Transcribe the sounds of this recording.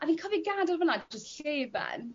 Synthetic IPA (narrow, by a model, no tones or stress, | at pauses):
ʔaviːnkʰɔviɡaːdɛlˠvənad͡ʒəstɬeːvɛ̰n